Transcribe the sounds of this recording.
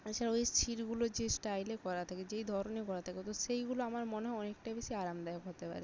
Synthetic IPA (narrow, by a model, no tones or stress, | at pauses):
et͡ɕʰaɾojsʈ̪ʰiɾɡulod͡ʑesʈajlekɔɾat̪ʰaked͡ʑejd̪ʱɔɾonekɔɾat̪ʰaket̪oʃejɡuloamaɾmoneɦɔɔnek̚ʈajbeʃiaɾamd̪ɛokɦot̪epa̰ɾe